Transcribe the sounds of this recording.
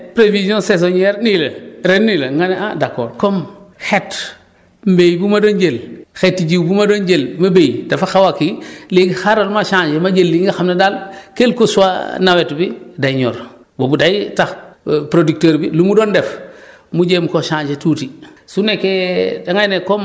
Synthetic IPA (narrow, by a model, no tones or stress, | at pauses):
pɾevizɔ̃ses̬oɲɛɾnilɐɾennːilɐŋɡaneʔãdako̰ːɾkomxet | mbejbumadonɟelxetːiɟiwbumadoɲɟelmɐbejdafaxawakileɡixaɾolmaʃãːɲd͡ʒemaɟelːiŋɡaxamnadalkelkosuwa̰nawetbidajɲo̰ːɾ | bobudajtaxpɾodik̚teɾbilumudoːndef | muɟemkoʃãːɲd͡ʒetuːtisunekedaŋajnekom